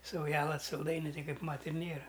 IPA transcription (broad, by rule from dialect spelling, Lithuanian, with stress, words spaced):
sɐʊˈjæːlˠɐ sɐlˠˈdɐɪnʲʊ ˈtɐɪ ˈkɐɪp ˈmɐt ɪr ˈnʲeːrɐ